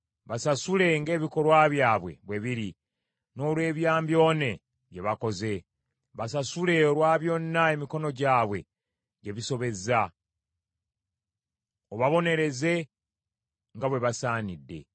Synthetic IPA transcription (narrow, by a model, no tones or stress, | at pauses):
βasasule̞ŋɡe̞ːβiko̞lwaːβjaːβwe̞̰βwe̞βiɾi | no̞ːlwe̞ːβjaːmbjo̞ːne̞ | ɟje̞βako̞ze̞ | βasasule̞olwaːβjo̞nːae̞miko̞no̞ɟaːβwe̞̰ | ɟe̞βiso̞βe̞za | oβaβo̞ne̞ɾe̞ze̞ | ŋɡaβwe̞βasaːnidːe̞̰